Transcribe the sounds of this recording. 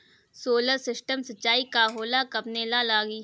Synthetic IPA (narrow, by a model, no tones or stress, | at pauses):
soːləɾsɪsʈəmsɐtːt͡ʃaːikaːɦoːlakɐpneːlalaːɡiː